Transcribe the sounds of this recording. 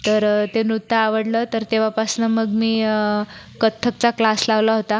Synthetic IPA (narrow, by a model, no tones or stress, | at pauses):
t̪əɾt̪enɾut̪ːaːʋəɽlət̪əɾt̪eʋ̤apasnəməɡmiː | kət̪ʰːək̚t͡saklaslaʋlaɦot̪a